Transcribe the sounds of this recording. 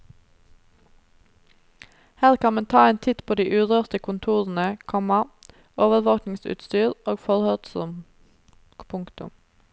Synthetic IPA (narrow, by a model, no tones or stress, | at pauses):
hæːʁkʰɑnmeːnt̪ʰɑːeːnt̪ʰɪt̪pʰoːd̪iːʔʉːʁøːʁt̪əkʰʊnt̪ʰuːʁn̩əkʰɔmɑ | oːʋəɾʋoːknɪŋsʉ̰ːt̪st̪yːʁoːɡfɔɾhœd̪sɔ̰m | pʰʊŋkt̪ʊ̰m